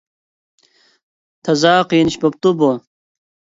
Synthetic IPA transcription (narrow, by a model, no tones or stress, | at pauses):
t̪ʰɐzaːqinɕbɐp̚t̪ubo